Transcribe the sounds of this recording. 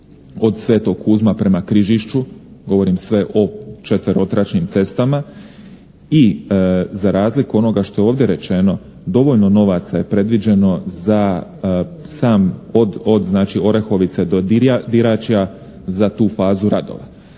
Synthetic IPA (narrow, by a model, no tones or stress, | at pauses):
o̞d̪sʋe̞ːt̪o̞kʰːuːzmapɾe̞makɾiʒiʃt͡ʃuɡo̞ʋo̞ɾimsʋe̞ʔo̞t͡ʃet̪ʋeɾo̞t̪ɾat͡ʃnimt̪se̞st̪ama | i | zaɾaːzlikuo̞no̞ɡaʃt̪o̞jeoːʋd̪jeɾet͡ʃe̞no̞ | d̪o̞ʋo̞ʎno̞no̞ʋat̪saje̞pɾe̞d̪ʋid͡ʒe̞no̞za | saːmod̪od̪znaːt͡ʃio̞ɾe̞xo̞ʋit̪se̞d̪od̪iad̪iɾat͡ʃia | zat̪uːfaːzuɾad̪o̰ʋa̰